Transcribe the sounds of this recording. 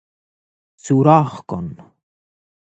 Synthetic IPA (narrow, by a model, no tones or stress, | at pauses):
t͡suɾɑːχko̰n